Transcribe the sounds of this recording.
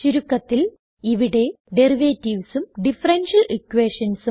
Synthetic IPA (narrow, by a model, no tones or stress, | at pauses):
t͡ɕuɾukːɐt̪ːil | iʋiɽe̞ | ɖeriʋeːtːiʋsumɖifɐrenʂɐlikːweːʂɐnsu